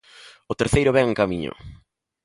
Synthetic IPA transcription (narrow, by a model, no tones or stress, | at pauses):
ʊt̪eɾθejɾʊβɛŋeŋkamḭɲʊ̰